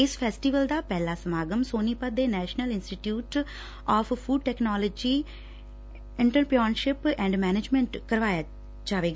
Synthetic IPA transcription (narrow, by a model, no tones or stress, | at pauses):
ɪspʰɛːsʈiʋəld̪aːpɛːlaːsəmaːɡəmsoːniːpət̪̚d̪eːnɛːʃnəlɪnsʈiːʈjuːʈ | ɔːfʰpʰuːɖ̚ʈɛːknɔːləːd͡ʒiː | ɪ̃ɳʈəlpijɔːɳʃɪpɛ̃ːɳɖmɛːned͡ʒmɛ̃ɳʈkəɾʋaːjaː | d͡ʒaːʋeːɡaː